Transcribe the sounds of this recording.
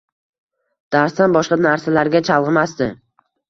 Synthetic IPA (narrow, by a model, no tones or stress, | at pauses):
d̪̥aɾst̪anbɒʃqɑnaɾsalaɾɡʲat͡ʃʰɑlˠʁɨmast̪ɪ